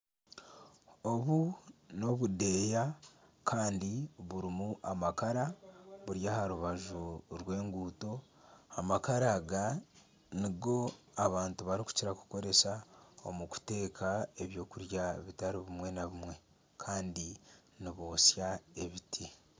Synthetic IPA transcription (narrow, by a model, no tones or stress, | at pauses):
o̞βuno̞βude̞ja | kʰaːndiβuɾimuʔamakaɾaβuɾjahaɾuβaʒoɾwe̞ːŋɡuːto̞ | amakaɾaɡa | niɡo̞ | aβaːntuβaɾiku̥ciɾaku̥ko̞ɾe̞sao̞̰muku̥te̞ːkʰae̞βjo̞ːkuɾjaβitaɾiβimwe̞naβimwe̞ | kʰaːndi | niβo̞ːsjae̞βitʰi